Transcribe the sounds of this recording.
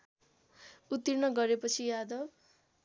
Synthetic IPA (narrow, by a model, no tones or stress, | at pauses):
ut̪ːirnʌɡʌɾepʌt͡sʰijad̪ʌb